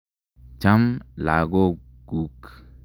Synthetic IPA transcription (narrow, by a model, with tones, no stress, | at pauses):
t͡ʃa˦mla̰˨ɡo˦ | ɡ̥u˨k